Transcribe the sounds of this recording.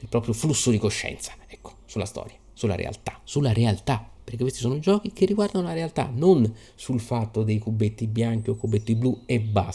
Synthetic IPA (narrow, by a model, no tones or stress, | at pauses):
ilpɾɔːpɾjoflusːod̪ikoʃːɛ̰nt̪sḁɛkːo̥sulast̪ɔ̰ːɾja | sulːa̰ɾḛa̰lt̪ḁsulːaɾealt̪apːeɾrkekwest̪isoːnoid͡ʒɔːk̟ik̟erːiɡward̪anolaɾealt̪a̰non | sulfat̪ːod̪ejkubːet̪ːibjaŋk̟iokːubːet̪ːibluɛbːa